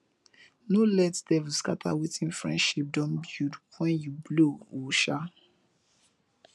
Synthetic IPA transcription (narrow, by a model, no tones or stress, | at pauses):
nolɛtdɛvuskatʰa̰witʰĩnfɹɛ̰̃ndʃip̚dɔ̃nbjudwɛ̃njublowuʃa